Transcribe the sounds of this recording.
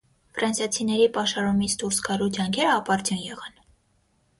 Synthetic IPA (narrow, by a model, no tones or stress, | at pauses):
fɾɑnsjɑt͡sʰinɛɾipɑʃɑɾumit͡sʰd̪uɾsɡɑɾud͡ʒɑŋkʰɛɾəɑpɑɾt̪junjɛʁɑn